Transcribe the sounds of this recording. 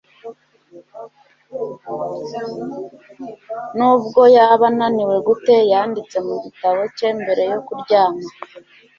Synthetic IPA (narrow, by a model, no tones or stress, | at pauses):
nubɡo̞jaβananiwe̞ɡute̞jaːndit͡se̞muɟitaβo̞ce̞ːmbe̞ɾe̞jo̞kuɾɟaːma